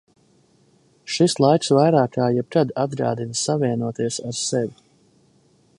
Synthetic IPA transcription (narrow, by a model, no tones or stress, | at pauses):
ʃislˠajksvajɾaːkaːjɛb̚kad̪ad̪̚ɡa̰ːd̪insavʲiɛnuɔt̪iɛsaɾsɛvʲi